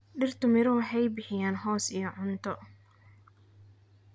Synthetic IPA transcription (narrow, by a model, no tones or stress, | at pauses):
ɖɪrt̪ʰʊmɪɾɔwɑħɛjbɪħɪjaːnɦɔːsijɔʕʊnt̪ʰɔ